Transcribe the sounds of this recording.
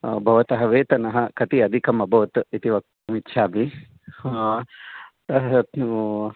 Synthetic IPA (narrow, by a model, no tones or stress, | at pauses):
bʱɐʋɐt̪ɐɦɐʋeːt̪ɐnɐɦɐkɐt̪iɐd̪ʱikɐmɐbʱɐʋt̪it̪iʋɐk̚t̪ɐmit̪ːʃʰaːbʱi | t̪ɐ